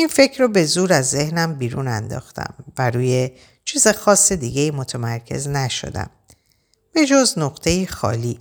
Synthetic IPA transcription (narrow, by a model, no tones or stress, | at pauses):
infe̞cʰɾobe̞zuːɾæzːe̞hnæmbiːɾunænd̪ɒ̰ːxt̪ʰæ̰mvæɾuːje̞ | t͡ʃʰiːzexɒːsːed̪iːɟeiːmo̞t̪ʰemæɾcʰe̞̰znæʃo̞̰d̪æ̰m | b̥e̞d͡ʒoznoɣt̪ʰe̞jiːxɒ̰ːliː